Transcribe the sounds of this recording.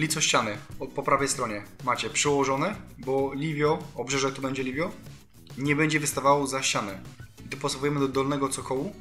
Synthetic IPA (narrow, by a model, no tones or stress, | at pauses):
lʲit̪sɔɕt͡ɕanɘɔpɔpɾavɛjst̪ɾɔɲɛmat͡ɕɛpʂɛwɔʐɔnɛbɔlʲivʲjɔɔbʐɛʐɛkt̪ɔbɛɲd͡ʑɛlʲivʲjɔ | ɲɛbɛɲd͡ʑɛvɨst̪avawɔzaɕt͡ɕanɛd̪ɔpɔsɔvujɛmɘd̪ɔd̪ɔlnɛɡɔt̪sɔkɔwu